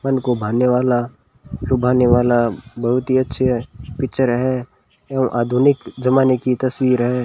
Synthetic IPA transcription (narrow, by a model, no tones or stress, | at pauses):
mɐnkobʱaːneʋaːla | lʊbʱaːneʋaːlabɐɦʊt̪ɦiɐtːʃʰepɪk̚t͡ʃəɾɦɛ | eũʔaːd̪ʱʊnɪkd͡ʒɐmaːnekit̪ɐswiːɾɦɛ̃ː